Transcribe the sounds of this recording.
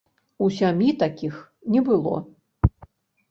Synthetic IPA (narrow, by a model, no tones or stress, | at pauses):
usʲamʲjit̪akʲix | nʲɛbɨlˠɔ̰